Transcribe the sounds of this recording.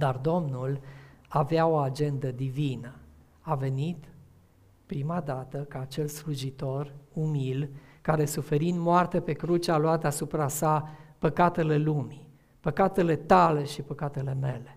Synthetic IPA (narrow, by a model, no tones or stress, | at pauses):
d̪ard̪o̞mnulaveao̞ad͡ʒe̞nd̪əd̪ivinə | ave̞nit̪ | pɾimad̪at̪əkaːt͡ʃe̞lsluʒit̪o̞rumilkaɾe̞sufe̞ɾind̪moart̪epe̞kɾut͡ʃaloat̪asupɾasapəkat̪e̞le̞lumi | pəkat̪e̞le̞t̪ale̞ʃipəkat̪e̞le̞me̞le̞